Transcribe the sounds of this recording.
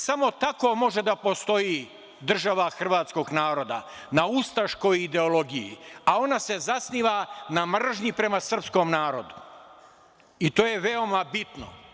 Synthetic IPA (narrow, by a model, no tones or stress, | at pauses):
samo̞t̪ako̞mo̞ʒe̞d̪apo̞st̪o̞ji | d̪r̩ʒaʋaxr̩ʋaːt̪sko̞ɡnaːɾo̞d̪a̰ | naust̪aʃko̞jid̪e̞olo̞ɡijḭao̞nase̞zasniːʋanamr̩ʒɲipɾe̞masr̩pskomnaːɾo̰d̪u | it̪o̞ːje̞ʋeo̞mabit̪no̰